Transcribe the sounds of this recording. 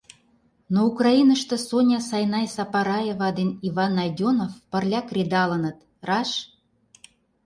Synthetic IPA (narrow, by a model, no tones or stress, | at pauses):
noukrɑinə̆ʃt̪ɤ̆sonʲɑsɑjnɑjsɑpɑɾɑjevɑd̪eniβɑnːɑjd̪ʲonofpə̆rlʲɑkrʲed̪ɑlə̆nə̆t̪ | rɑʃ